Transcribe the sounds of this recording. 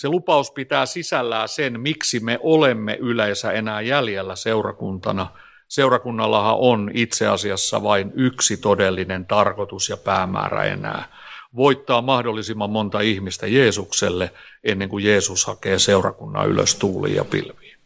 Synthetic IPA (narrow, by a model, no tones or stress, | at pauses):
selupɑuspit̪æːsisælːæːsenmiksimeʔolemːḛʔyleːsæenæːjæljelːæseurɑkunt̪ɑ̰nɑ | seurɑkunːɑlːɑhɑ̰ʔonit̪seɑsiɑsːɑ̰ʋɑinyksit̪odelːinent̪ɑrkot̪usjɑpæːmæ̰ːræ̰ḛnæ̰ːʋoit̪ːɑːmɑhdolːisimːɑmmont̪ɑihmist̪æjeːsukselːeʔenːeŋkujeːsushɑkeːseurɑ̰kunːɑ̰y̰lø̰st̪uːlḭːjɑ̰pḭlʋi̥ː